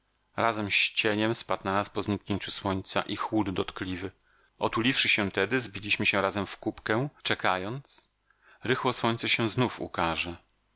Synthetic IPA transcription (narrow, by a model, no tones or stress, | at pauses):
ɾazɛmɕt͡ɕeɲɛmspat̪nanaspɔzɲikɲeɲt͡ɕuswɔɲt̪sa̰ʔixwud̪ːɔt̪klʲivɘ | ʔɔt̪ulʲifʂɘɕɛ̃t̪ɛd̪ɘzbʲilʲiɕmɘɕɛɾazɛmfkupkɛt͡ʂɛkajɔnt̪s | ɾɘxwɔswɔɲt̪sɛɕɛ̃znufṵkaʐɛ